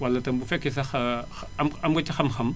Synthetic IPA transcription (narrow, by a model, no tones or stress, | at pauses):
wɐlːɐtɐmbufɛkːis̬ɐxɐ | ɐmɐmɡɐtixɐmxɐm